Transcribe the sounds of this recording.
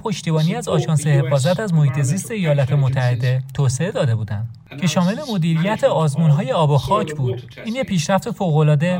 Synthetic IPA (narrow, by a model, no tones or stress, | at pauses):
pʰo̞ʃt̪ibɒːniːæzɒːʃɒːnse̞he̞fɒːzæt̪æzmo̞hiːt̪ʰe̞ziːst̪eejɒːlɒt̪ʰe̞mot̪ʰːæhe̞d̪e̞t̪ʰoːse̞e̞d̪ɒːd̪e̞buːd̪ænd̪ | cʰe̞ʃɒːme̞le̞mo̞d̪iːɾijæt̪ʰe̞ɒːzmunɦɒːje̞ɒːboxɒːcʰbuːd̪̥ | iːnjepʰiːʃɾæft̪e̞foːɣo̞lɒːd̪e̞